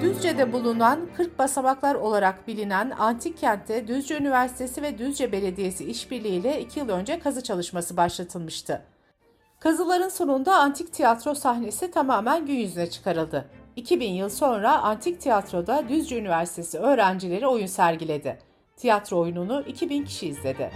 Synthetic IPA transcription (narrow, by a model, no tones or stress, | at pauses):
d̪̥yzd͡ʒɛd̪ɛbulˠunankʰɯɾk̚basabaklˠaɾo̞lˠaɾakbilʲinænant̪ʰicʰːænt̪ʰːɛd̪yzd͡ʒɛynivæɾsi̥t̪ʰe̞sivɛd̪yzd͡ʒɛbe̞lʲe̞d̪ije̞siiʃbiɾlʲiiːlʲɛicʰijɯlˠø̞nd͡ʒɛkʰazɯt͡ʃʰalˠɯʃmasɯbaʃlˠat̪ʰɯlˠmɯʃt̪ʰɯ | kʰazɯlˠaɾɯnso̞nund̪aːnt̪ʰict̪ʰijat̪ɾo̞saxne̞sit̪ʰamaːmænɟynjyzynɛt͡ʃʰɯ̥kʰaɾɯlˠd̪ɯicʰibinjɯlˠso̞nɾaʔant̪ʰic̚t̪ʰijat̪ɾo̞d̪ad̪yzd͡ʒɛynivæɾsi̥t̪ʰe̞siø̞ːɾænd͡ʒilʲe̞ɾio̞junsæɾɟilʲe̞d̪ɪ | t̪ʰijat̪ɾoojununuʔicʰibincʰi̥ʃiːzlʲe̞d̪ɪ̰